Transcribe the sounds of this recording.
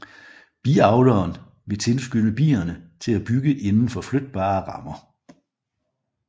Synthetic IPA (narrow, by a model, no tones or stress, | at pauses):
b̥ḭɑ̈ʊd̥ɐːn | ʋe̝t͡sʰe̝lsɡ̥ønəb̥ḭːɐnət͡sʰe̝læb̥yɡ̥əʔe̝nn̩fɒ̽flød̥̚b̥ɑ̰̈ːʁɑ̈mɐ